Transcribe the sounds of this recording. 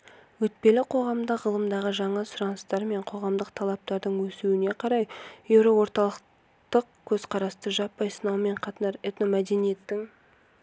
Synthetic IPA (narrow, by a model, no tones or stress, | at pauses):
wɵt̪̚pe̞lɪqʰo̞ʁɑmd̪əʁəlˠəmd̪ɑʁəʒɑɴɑsʊɾɑnəst̪ɑɾme̞ɴqʰo̞ʁɑmd̪əq̚t̪ʰɑlˠɑp̚t̪ɑɾd̪əɴwɵsuwɪne̞qʰɑɾɑjjewɾo̞wo̞ɾt̪ɑlˠəq | t̪əqkʲʰɵzqʰɑɾɑst̪əʒɑpːɑjsənɑwme̞ɴqʰɑt̪ənɑɾet̪nomæd̪e̞nije̞t̪ːɪŋ